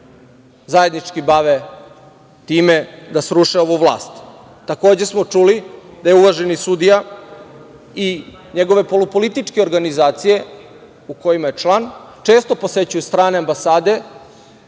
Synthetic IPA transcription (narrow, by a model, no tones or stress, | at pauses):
zaje̞d̪nit͡ʃkibaʋe | t̪iːmed̪asɾuʃeo̞ʋuʋlˠa̰ːst̪ː | ako̞ːd͡ʑe̞smo̞t͡ʂulid̪ajeuʋaʒenisud̪ija | i | ɲeɡo̞ʋe̞po̞lupo̞lit̪it͡ʃkeo̞ɾɡanizaːt̪sije̞ | uko̞jimaje̞t͡ʃlˠan | t͡ʃe̞ːst̪o̞po̞se̞t͡ɕujust̪ɾaːneambasaːd̪e̞